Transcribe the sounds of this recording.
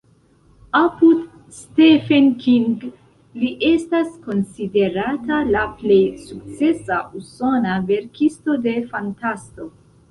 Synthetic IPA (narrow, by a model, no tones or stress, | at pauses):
apud | stefenkiŋɡ | liʔe̞stasko̞nside̞ɾatalaple̞jsukt͡se̞saʔuso̞nave̞ɾkʰisto̞de̞fantasto̞